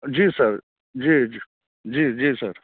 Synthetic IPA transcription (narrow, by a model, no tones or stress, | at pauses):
d͡ʒiːsɐɾ | d͡ʒiːi | d͡ʒiːd͡ʒiːsɐɾ